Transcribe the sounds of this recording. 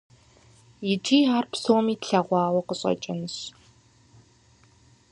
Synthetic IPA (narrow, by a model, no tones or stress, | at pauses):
jɪt͡ʃʼiːɦaːrpsoːmiːtɬɐʁʷɑːwɐqəɕʼɐ̰t͡ʃʼɪnɕ